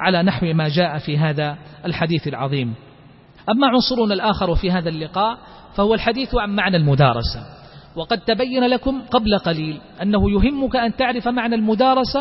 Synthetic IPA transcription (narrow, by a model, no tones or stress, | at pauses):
ʕalaːnaħwmaːd͡ʒaːʔafiːɦaːðaʔalħad̪iːθalʕɑ̰ðˤiːm | ʔamːaʕʊnsˤʊɾʊnalʔaːxɑɾˤwafiːɦaːðalːɪqɑːʔ | fahʊwalħad̪iːθʕammaʕnalmʊd̪ɑ̰ːɾˤɑ̰sa | wɑqɑd̪̚t̪abajːanalakʊmqɑblaqɑliːlʔanːahʊjʊɦɪmːʊkaʔant̪aʕɾɪfmaʕnalmʊd̪ɑːɾˤɑsa